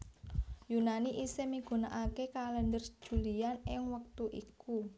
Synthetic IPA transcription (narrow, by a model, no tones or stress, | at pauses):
junaniʔisemiɡ̥ṳnaʔakekalɛndər̥ʒ̥ṳlianɪŋwək̚t̪uʔiku